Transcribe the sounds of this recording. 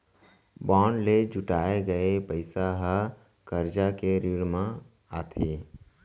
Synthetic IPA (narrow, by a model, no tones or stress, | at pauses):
bɔːnled͡ʒʊʈaːeɡəepəɪsaɦə | kəɾd͡ʒakeɾɪɾmã | aːt̪ʰiː